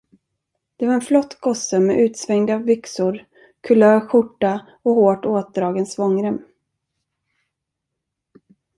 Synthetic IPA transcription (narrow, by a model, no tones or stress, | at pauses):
d̪̥ɛvaɾɛnflɔt̪ːɡɔsəmɛʔʉ̟ːt̪svɛŋd̪avʏksʊɾ | kʰɵlœːɧʊʈːa | ɔhoːʈoːt̪̚d̪ɾɑːɡənsvɔŋːɾəm